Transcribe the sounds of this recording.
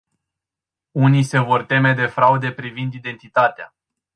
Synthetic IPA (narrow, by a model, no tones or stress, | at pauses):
unise̞vo̞rt̪e̞me̞d̪e̞fɾaud̪e̞pɾivind̪id̪e̞nt̪it̪at̪ea̰